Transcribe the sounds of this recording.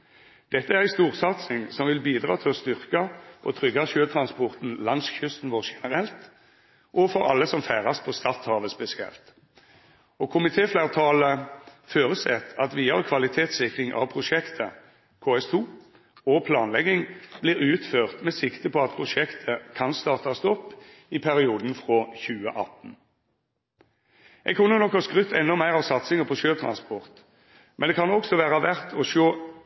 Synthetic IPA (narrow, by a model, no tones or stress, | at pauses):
d̪̥ɛt̪ːəæʁæɪst̪uːʁsɑt̪sɪŋsɔmʋɪlbiːd̪ʁɑ̰ːt̪ʰɪlɔst̪ʏʁkɑʔɔt̪ʰʁʏɡɑʃøːt̪ʰɾɑnspɔʁt̪n̩lɑŋsçʏst̪n̩ʋɔːʁʃɛnəʁɛlt̪ | ʔɔfɔɾɑ̰lːəsɔmfæːʁɑspʰɔst̪ɑt̪hɑːʋəspɛsɪɛ̰lt̪ | ɔkʰʊmɪt̪ʰeːflæʁt̪ʰɑːləføːʁəsɛt̪ɑt̪ʋiːɑʁkʰʋɑlɪt̪ʰeːt̪sɪkʁɪŋʔɑ̰ʋpʰʁʊʂɛkt̪ʰə | kʰoːɛst̪ʰuː | ɔpʰlɑːnlɛɡɪŋblɪːʁʉːt̪føːʁt̪mɛsɪkt̪əpʰɔɑt̪̚pʰʁʊʃɛkt̪ʰəkʰɑnst̪ɑːʁt̪ʰɑst̪ɔpː | ɪpʰæʁɪuːd̪n̩fʁoːçʉːə̰ʔɑ̰t̪n̩ | ʔɛɡ̚kʰʉnːənɔkːɑskʁʏt̪ʰːɛnːɔmæɪʁɑʋsɑt̪sɪŋəpʰɔʃøːt̪ʰʁɑ̰nspɔʁt̪ | mʔɛnd̪ɛkʰɑnɔksɔʋæːʁəʋæʁt̪ʰɔʃoː